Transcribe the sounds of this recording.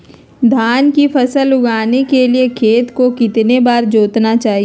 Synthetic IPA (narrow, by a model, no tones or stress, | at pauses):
d̪ʱaːnkifʰɐsəlʊɡaːnekeliekʰeːt̪kokɪt̪nebaːɾd͡ʒoːt̪nat͡ʃaːɦi